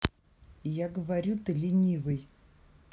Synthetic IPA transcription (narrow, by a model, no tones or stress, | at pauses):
jaɡəvaɾʲut̪ɨlʲɪnʲivɨj